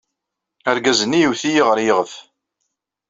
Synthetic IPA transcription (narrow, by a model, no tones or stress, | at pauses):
æɾɡæzənːijiwθijiʁəɾjʁəf